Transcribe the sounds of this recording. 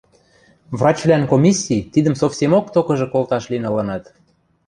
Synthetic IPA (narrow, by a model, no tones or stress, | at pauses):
vrɑt͡ɕvlænkomʲisʲːit̪id̪ə̆msofsʲemokt̪okɤ̆ʒɤ̆kolt̪ɑʃlinɤ̆lɤ̆nɤt̪